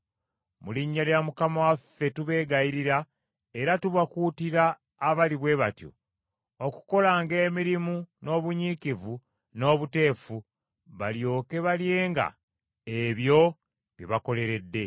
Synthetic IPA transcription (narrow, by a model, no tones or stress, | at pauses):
muliɲːaljamukamawafːe̞tuβe̞ːɡajiɾiɾa | e̞ɾatuβakuːtiɾaː | βaliβwe̞βatjo̰ | oku̥ko̞laŋɡe̞ːmiɾimuno̞ːβuɲikivu | no̞ːβute̞ːfu | βaljo̞ːke̞βalje̞ːŋɡa̰ | eβjo̞ | βjiβako̞le̞ɾe̞dːe̞